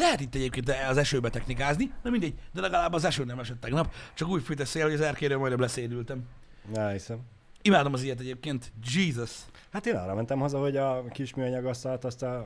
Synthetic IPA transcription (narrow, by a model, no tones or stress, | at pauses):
lɛɦɛt̪it̪ːɛɟeːpkeːnt̪ɛɒzɛʃøːbɛt̪ɛxnikaːznid̪ɛmind̪ɛɟd̪ɛlɛɡɒlaːbɒzɛʃøːnɛmɛʃɛt̪ːɛɡnɒpt͡ʃɒkuːcfyt̪ɛsːeːlhoɟɒzɛrkeːɾøːmɒjnɛblɛseːd̪ylt̪ɛm | ɛisɛm | imaːd̪o̞mɒzijɛt̪ɛɟeːp̚keːnt̪d͡ʒiːzɒs | hat̪eːnɒ̰ːrɾɒ̰mɛnt̪ɛmhozɒho̞ɟɒkiʃmyɒɲɒɡɒst̪ɒlt̪ɒst̪ɒ